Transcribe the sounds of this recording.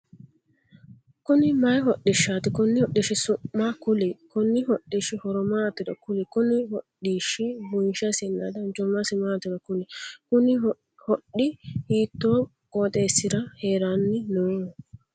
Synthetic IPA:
kʊnɪmɐjɦɔɗːɪʃːaːt̪ɪkʊnːɪhɔɗːiʃɪsʊmːakʊlɛkʊnːɪhɔɗːiʃɪhɔɾɔmaːt̪ɪɾɐ̰kʊlɛkʊnɪhɔɗːiːʃɪbʊnʃɐsɪnːa̰d̪ɐnt͡ʃɔmɐsɪmaːt̪ɪɾɐkʊlɛkʊnɪ | hɔɗːɪhiːt̪ːoː | kʼoːt̪ʼeːsːɪɾɐhe̞ːɾanːɪnoː

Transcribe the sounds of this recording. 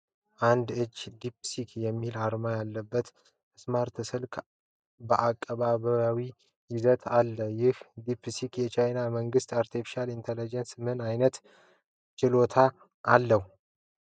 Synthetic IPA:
ʔand̪ɨd͡ʒːd̪ipsikʰjɛmːilaɾmajalːəbːət̪ | ɨsmaɾt̪ʰɨsɨlkʰ | bəʔakʼːəβaβəawi | jɪzət̪ʰalːəjɪhd̪ipʰsikjɛt͡ʃʰajnaməŋɡɨst̪aɾt̪ʰifi̥ʃalint̪ʰelid͡ʒensmɨnajnət̪ | t͡ʃɪlo̞t̪ʰa | ʔːlːəhu

